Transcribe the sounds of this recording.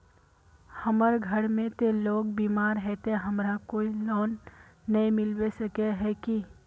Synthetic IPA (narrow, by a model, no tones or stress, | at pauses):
hɐməɾɡʱəɽmẽt̪eloːɡ̚biːmaːɾɦɛt̪eɦɐmɾakoːilɔːnːɐĩmɪlwesəkeɦɛki